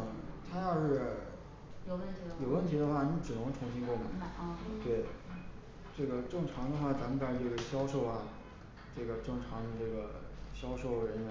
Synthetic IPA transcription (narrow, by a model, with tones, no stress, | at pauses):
t̪ʰa˥jɑ˥˧ʊʂɻ̩˥˩ | jo˨˧ʊwə˥˩nt̪ʰi˧˥jo˨˩ʊwə˥˩nt̪ʰi˧˥d̪ə˧xwa˥˩ni˧˥ʈ͡ʂɻ̩˨˩nɤ˧˥ŋʈ͡ʂʰʊ˧˥ŋɕi˥nkwɔ˥˩mə˨˩˨t̪we˥˩ɪ | ʈ͡ʂɤ˥˩ɡə˩ʈ͡ʂɤ˥˩ŋʈ͡ʂʰɑ˧˥ŋd̪ə˧xwa˥˩t͡sa˧˥mə˧pa˥˩o˧˥˩ɡə˩ɕjɑ˥ʊʂo˥˩ʊɐ˨˩ | ʈ͡ʂɤ˥˩ɡə˩ʈ͡ʂɤ˥˩ŋʈ͡ʂʰɑ˧˥ŋd̪ə˧ʈ͡ʂɤ˥˩ɡə˩ɕjɑ˥ʊʂo˥˩ʊɻə˧˥nɥɛ˧˥n